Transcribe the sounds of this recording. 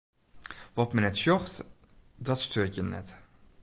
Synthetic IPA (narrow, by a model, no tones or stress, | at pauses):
ʋɔtmənɛtsjɔxt | dɔtstʰøːtjənɛ̰t